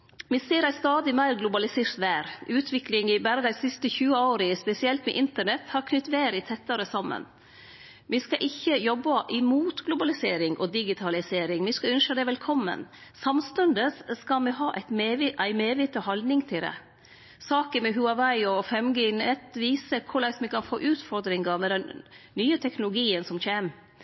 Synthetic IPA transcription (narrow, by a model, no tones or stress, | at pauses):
mɪseːɾæɪst̪ɑːd̪ɪmæɪɾɡlʊbɑlɪseːɾt̪ʋæːɾʔʉːt̪ʰʋɪklɪŋɪbæːɾəd̪æɪsɪst̪əçʉːəoːɾəspɛsɪɛlt̪mɛ̰ʔɪnt̪əɳɛt̪hɑɾkʰnʏt̪ːʋeːɾɪt̪ʰɛt̪ːəɾəsɑmːə̰n | mɪskɑʔɪçːəjɔbːɑʔɪmuːt̪ɡlʊbɑlɪseːɾɪŋʔɔd̪ɪɡɪt̪ʰɑlɪseːɾɪŋmɪskɑʉnʃəd̪ɛʋɛlkʰɔmːə̰nsɑmst̪ʉnd̪əsskɑmɪɦɑːʔæ̰ɪt̪meʋʔæɪmeːʋɪt̪əhɑld̪nɪŋt̪ʰɪld̪ɛ̰ | sɑːkəmɛɦʉɑʋæɪɔfɛmɡenɛt̪ʋiːsəkʰʊɭæɪsmɪkɑnfo̰ːʔʉːt̪fɔɾd̪ɾɪŋɑmɛd̪ɛnːyːət̪ʰɛknʊlʊɡiːənsɔmçeːm